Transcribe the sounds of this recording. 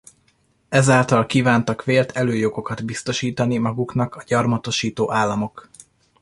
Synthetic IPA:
ɛzaːlt̪ɒlkiːvaːnt̪ɒkʋeːlt̪ʰɛløːjo̞ɡo̞kɒd̪bist̪o̞ʃiːt̪ɒnimɒɡuknɒkɒɟɒrmɒt̪o̞ʃiːt̪oːʔaːlːɒmo̞k

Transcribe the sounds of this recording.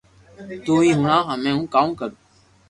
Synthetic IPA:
t̪uːĩːɦɳãːɦãmẽːũːkaːũːkəɾoː

